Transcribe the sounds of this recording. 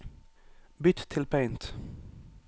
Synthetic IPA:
bʏt̪t̪ʰːɪlpʰɛɪnt̪

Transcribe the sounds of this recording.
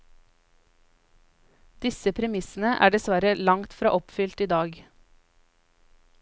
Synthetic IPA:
d̪̥ɪsəpʰɾɛmɪsn̩əʔæ̰ːɖɛsʋæɾəlɑŋt̪fɾɑ̰ːʔɔpfʏlt̪iːd̪ɑːɡ

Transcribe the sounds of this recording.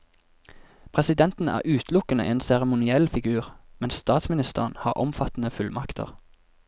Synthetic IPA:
pʰʁɛsɪd̪ɛnt̪n̩æ̰ːʁʔʉːt̪ʰlʊkənə̰ʔeːnsɛʁəmʊnɪɛlfɪɡʉːʁmɛnsst̪ɑːt̪smɪnɪst̪əʁnhɑ̰ːʁʔɔ̰mfɑt̪n̩əfʉlmɑkt̪ʰə̰ʁ

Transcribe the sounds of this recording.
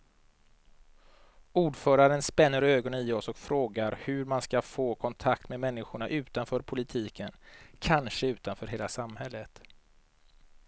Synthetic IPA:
uːɖfœːɾaɾənspɛnːəɾøːɡɔnənɪɔsɔkfɾoːɡaɾhɵɾmanskafoːkʰɔnt̪ʰakt̪mɛmɛnːɪɧʊɳaʔʉ̟ːt̪anfœːɾpʰʊlɪt̪ʰiːkʰənkʰanʂəʉ̟ːt̪anfœːɾɦeːlasamhɛlːət̪

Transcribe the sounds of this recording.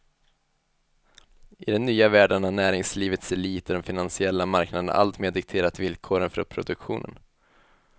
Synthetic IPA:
ɪd̪ɛmnyːavæːɖaɳanæːɾɪŋsliːvət̪sɛliːt̪əɖ̪ɔmfɪnansɪɛlːamaɾknad̪əna̰ʔa̰lt̪meːd̪ɪk̚t̪ʰeːɾat̪vɪlkʰoːɾənfɔ̰ɾpʰɾʊ̰d̪ɵkɧṵːnə̰n

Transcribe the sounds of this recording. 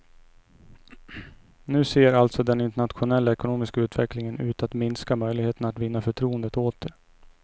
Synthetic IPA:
nʉ̟ːseːɾalt̪sɔd̪ɛnɪnt̪ɛɳat̪ɧʊnɛlːaɛkʊnoːmɪskaʉ̟ːt̪vɛklɪŋənʉ̟ːt̪at̪mɪnskamœjlɪɡheːt̪ənat̪vɪnːafœʈʰɾuːənd̪ət̪oːt̪̚əɾ

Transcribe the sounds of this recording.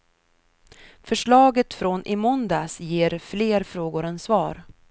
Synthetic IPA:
fœʂɭɑːɡət̪fɾɔnʔɪmʊnd̪asjeːɾfleːɾfɾoːɡʊɾɛnsvɑːɾ

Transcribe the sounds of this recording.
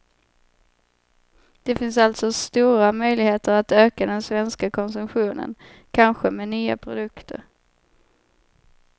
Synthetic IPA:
d̪̥ɛfɪns̬alt̪sɔst̪uːɾamœjlɪɡheːt̪əɾat̪øːkad̪ɛnsvɛnskakʰɔnsɵmɧuːnə̰n | kʰanɧəmɛnyːa̰pʰɾʊd̪ɵkt̪ʰə̰ɾ

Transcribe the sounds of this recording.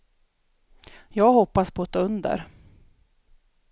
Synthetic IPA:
jɑːɡhɔpːaspʰɔːt̪ʰːɑːɵnd̪ə̰ɾ

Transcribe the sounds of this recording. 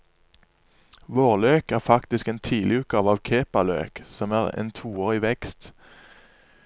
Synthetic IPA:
ʋoːʁløːkæːʁfɑkt̪ɪskeːnt̪ʰiːlɪʉːt̪̚kɑːʋɑːʋkʰeːpɑlø̰ːksɔmæːʁḛːnt̪ʰuːoːʁiʋɛkst̪

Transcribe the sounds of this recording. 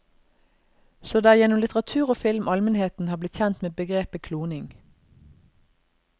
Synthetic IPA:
soːd̪ɑːæːjɛnʊmlɪt̪əʁɑt̪ʰʉːʁoːfɪlmʔɑlmənheːt̪n̩hɑːblɪt̪çɛnt̪meːbəɡʁeːpəkʰluːnɪŋ

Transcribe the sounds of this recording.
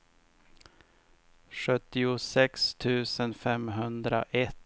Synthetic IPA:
ɧɵt̪ːɪʊsɛkst̪ʰʉ̟ːsənfɛmɦɵnd̪ɾa̰ʔɛt̪

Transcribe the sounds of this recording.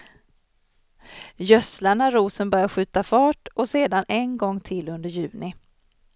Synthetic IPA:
jœslaɳaɾuːsənbœɾjaɧʉ̟ːt̪afɑːʈɔseːd̪anʔɛnɡɔŋːt̪ʰɪlɵnd̪əɾjʉ̟ːnɪ

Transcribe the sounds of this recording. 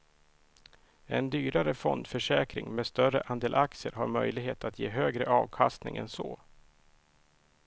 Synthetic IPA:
ɛnd̪yːɾaɾəfɔnd̪fœʂɛːkɾɪŋmɛːst̪œrəʔand̪eːlʔak̚t̪sɪəɾɦaɾmœjlɪɡɦeːt̪at̪ʰjeːɦøːɡɾəʔɑːvkʰast̪nɪ̰ŋɛ̰nso̰ː

